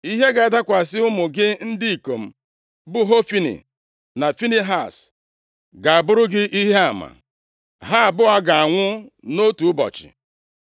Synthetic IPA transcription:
i˦ɦe˦ɡa˨a˨da˦kʷa˨sɪ˦ʊ˦mʊ˨ɡɪ˦n̩˦di˦i˨ko˨m̩˦ | bʊ˦ɦo˦fi˦nḭ˨ | na˨fi˦ni˦ɦa˦˨s | ɡa˨a˨bʊ˦ɾʊ˦ɡɪ˦ʔi˦ɦe˦a˨ma̰˨ | ɦa˦a˨bʊ˦a˦ɡa˨a˨ŋʷʊ˦no˦tu˨˦bɔ̰˨t͡ʃɪ̰˨

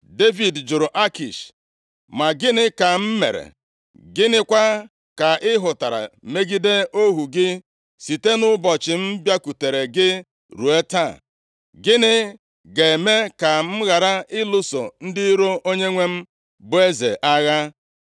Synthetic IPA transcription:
de˦vi˨dd͡ʒʊ˨ɾʊ˨ʔa˦ki˨ʃ | ma˨ɡɪ˦nɪ˦ka˨m̩˦mḛ˨ɾḛ˨ | ɡɪ˦nɪ˦kʷa˦ | ka˨ɪ˦ɦʊ˨ta˨ɾa̰˨me˦ɡi˦de˦o˦ɦu˨ɡɪ˦ | si˨te˦nʊ˦bɔ˨t͡ʃɪ˨m̩˦bja˦ku˨te˨ɾe˨ɡɪ˦ | ɾu˨e˦ta˦˨ | ɡɪ˦nɪ˦ | ɡe˨me˦ka˨m̩˦ɣa˨ɾa˦ɪ˦lʊ˦so̰˨n̩˦dɪ˦ɾo˦ʔo˦ɲe˦ŋʷe˦m̩˦ | bʊ˨e˦zḛ˨ʔa˦ɣa˦

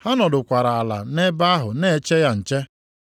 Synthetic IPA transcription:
ha˦nɔ˨dʊ˨kʷa˨ɾa˨a˨la̰˨ne˦ba˦ɦʊ˨ne˦˨˦t͡ʃe˦ja˦n̩˨t͡ʃe˦

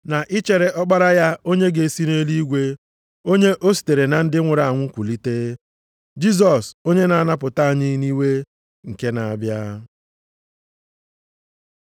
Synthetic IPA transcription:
na˨ʔɪ˦t͡ʃe˨ɾe˨ʔɔ˦k͡pa˦ɾa˦ja˦o˦ɲe˦ɡe˨si˦ne˦li˦ɡʷe˦ | o˦ɲe˦ʔo˦si̥˨te˨ɾe˨na˨n̩˦dɪ˦ŋʷʊ˨ɾa˨a˨ŋʷʊ˦kʷu˨li˦teː˦ | d͡ʒi˦z̬ɔ˨so˦ɲe˦na˨a˦na˦p̬ʊ˨ta˦a˨ɲɪ˦ni˦we˦ | ŋ̩˨ke˦na˨a˨bja˦

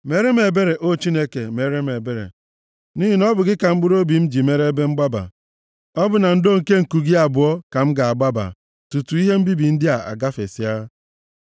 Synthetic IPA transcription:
me˦ɾe˦me˨be˦ɾe˨ʔo˦˨t͡ʃi˦ne˦ke˨me˨ɾe˦m˨e˨be˦ɾḛ˨ | niː˦i˨nɔ˦bʊ˨ɡɪ˦ka˨m̩˦ɡ͡bu˦ɾo˦bi˨m̩˦d͡ʒi˨me˦ɾe˦be˦ŋ͡m̩˦ɡ͡ba˦ba̰˨ | ɔ˦bʊ˨na˨n̩˦do˦ŋ̩˨ke˦ŋ̩˨ku˨ɡi˦a˨bʊ˨ɔ˦ka˨m̩˦ɡa˨a˨ɡ͡ba˦ba̰˨ | tu˨tu˨˦i˦ɦe˦m̩˦bi˦bi˨n̩˦dɪ˦a˨a̰˨ɡa˦fḛ˨si˦a˦

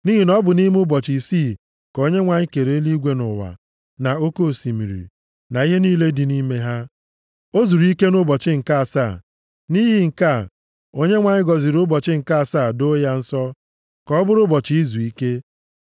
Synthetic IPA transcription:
ni˦ɦi˨nɔ˦bʊ˨ni˦m˦ʊ˦bɔ˨t͡ʃi˨si˦˨ | ko˦ɲe˦ŋʷa˨ɲɪ˦ke˨ɾe˨˦li˦ɡʷe˦nʊ̰˨wa̰˨ | na˨o˦ko˦˨si˨mḭ˨ɾḭ˨ | na˨i˦ɦe˦niː˦le˦di˨ni˦me˦ɦa˦ | o˦zu˨ɾi˦ke˦nʊ˦bɔ˨t͡ʃɪ˦ŋ̩˨ka˦a˨sa˦˨ | ni˦ɦi˦ŋ̩˨ka˦˨ | o˦ɲe˦ŋʷa˨ɲɪ˦ɡɔ˨zi˨ɾʊ˦bɔ˨t͡ʃɪ˦ŋ̩˨ka˦˨saː˦˨do˦ja˦n̩˦sɔ˦ | kɔ˦bʊ˦ɾʊ˦bɔ˨t͡ʃi˨i˦zu˨i˦ke˦

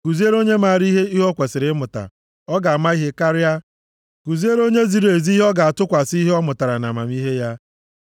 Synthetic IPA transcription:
ku˨zi˦e˦ɾo˦ɲe˦ma˨ɾi˦ɦe˦i˦ɦɔ˦kʷe˨sɪ˨ɾɪ˦mʊ˨ta̰˨ | ɔ˦ɡa˨a˨ma˦i˦ɦe˦ka˦ɾɪ˦a˦ | ku˨zi˦e˦ɾo˦ɲe˦zi˨ɾe˨zi˦ɦɔ˦ɡa˨a˨tʊ˦kʷa˨si˦ɦe˦ɔ˦mʊ˨ta˨ɾa˨na̰˨ma̰˨m˦i˦ɦe˦ja˦

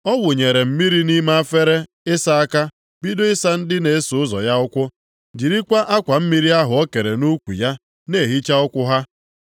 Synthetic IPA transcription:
ɔ˦wʊ˨ɲe˨ɾe˨m̩˦mi˦ɾi˦ni˦ma˦a˦fe˦ɾe˦ | ɪ˦sa˦a˦ka˦ | bi˦do˦ɪ˦sa˦n̩˦dɪ˦ne˨e˦sʊ˨ʊ˦zɔ̰˨ja˦ʊ˦kʷʊ˦ | d͡ʒi˨ɾi˦kʷa˦ʔa˦kʷa˨m̩˦mi˦ɾi˦a˦ɦʊ˨ɔ˦ke˨ɾe˨nu˦kʷu˨ja˦ | ne˦˨ɦi˦t͡ʃa˦ʊ˦kʷʊ˦ɦa˦

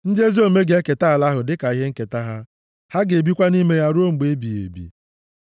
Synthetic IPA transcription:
n̩˦dɪ˦e˦zi˦o˦me˦ɡe˦ke˨ta˦a˨la˦ɦʊ˨dɪ˦ka˨i˦ɦe˦ŋ̩˦ke˨ta˦ɦa˦ | ha˦ɡe˨bi˦kʷa˦ni˦me˦ja˦ɾo˦ŋ͡m̩˨ɡ͡be˦bi˨ḛ˨bḭ˨

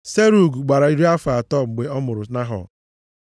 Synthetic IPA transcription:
se˦ɾu˨ɡu˨ɡ͡ba˨ɾa˨i˦ɾi˦a˦fa˨tɔ˦˨ɡ͡be˨ɔ˦mʊ˨ɾʊ˨na˦ɦɔ̰˨

